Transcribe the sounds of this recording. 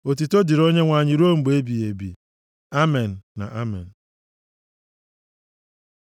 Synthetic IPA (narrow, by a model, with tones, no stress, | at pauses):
o˨t̬i˨to˦di˨ɾo˦ɲe˦ŋʷa˨ɲɪ˨ɾo˦ŋ͡m̩˨ɡ͡be˦bi˨e˨bḭ˨ | a˦me˨n̩ː˨a̰˨ʔa˦mɛ̰˨n̩˨